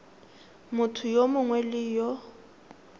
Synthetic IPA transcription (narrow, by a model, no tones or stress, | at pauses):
mʊtʰʊjomʊŋwɛlɪjɔ